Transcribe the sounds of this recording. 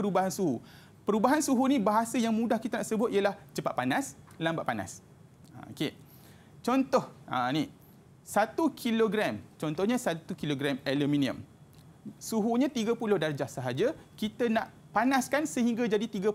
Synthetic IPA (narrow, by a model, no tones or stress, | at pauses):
əɾubaɦansuɦu | pəɾubaɦansuɦunĩbaɦasajaŋmũdahkit̪anaʔsəbʊt̪̚iəlaht͡ʃəpa̰ʔ̪̚panas | lamba̰ʔpana̰s | a̰o̰ke | t͡ʃɔnt̪ɔhʔa̰ni | sat̪ukʰiloɡɾɛmt͡ʃɔnt̪ɔhɲãsat̪ukiloɡɾɛmelumĩnĩə̰̃m | suɦuɲãt̪iɡapulʊhdard͡ʒahsəɦad͡ʒakit̪anaʔ | panãskansəɦiŋɡad͡ʒadit̪iɡə